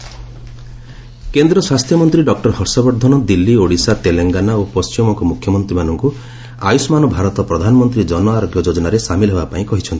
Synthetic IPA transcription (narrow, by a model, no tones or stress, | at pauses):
kend̪ɾɔswast̪ʰjɔmɔnt̪ɾiɖɔk̚ʈɔɾhɔɾsɔbɔɾd̪ʱɔnɔd̪ilːioɽisat̪eleŋɡanaopɔst͡ʃimɔŋkɔmukʰjɔmɔnt̪ɾimanɔŋku | a̰jusɔmanɔbʱaɾɔt̪ɔpɾɔd̪ʱanɔmɔnt̪ɾid͡ʒɔnɔaɾɔbʱjɔd͡ʒod͡ʒɔnaɾesamilɔɦebapaĩkɔɦit͡ʃʰɔnt̪ʰi̥